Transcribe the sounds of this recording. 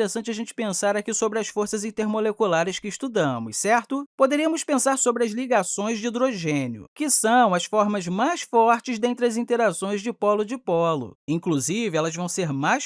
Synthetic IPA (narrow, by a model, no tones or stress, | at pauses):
ɾesɐ̃nt͡ʃɪɐʒẽnt͡ʃɪ̥pẽsaɾakisobɾɪɐsfoɾsɐzĩnt̪eɾmolekulaɾɪskɪːst̪ud̪ɐ̃mʊssɛɾt̪ʊpod̪eɾiɐmʊspẽsaɾsobɾɪɐzliɡasõj̃zd͡ʒɪid̪ɾoʒẽnjʊ̰kɪsɐ̃w̃ɐsfɔɾmɐzmajsfɔɾt͡ʃɪzd̪ẽnt̪ɾɪɐzĩnt̪eɾasõj̃zd͡ʒɪpɔlʊd͡ʒɪpɔlʊ̰ĩkluzivɪɛlɐzvɐ̃w̃seɾmajʃ